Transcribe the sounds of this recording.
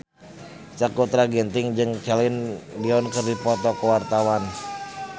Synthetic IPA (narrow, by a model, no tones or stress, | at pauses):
t͡ʃakut̪ɾaɡɛnt̪iŋd͡ʒɨŋt͡ʃalinliɔnkɨrdipɔt̪ɔkɔwart̪awan